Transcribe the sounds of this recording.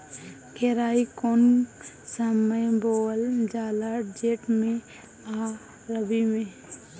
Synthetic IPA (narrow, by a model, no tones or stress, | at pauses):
keɾaːikonsəməjboːld͡ʒaːlad͡ʒeːʈmẽ | a | ɾəbimẽ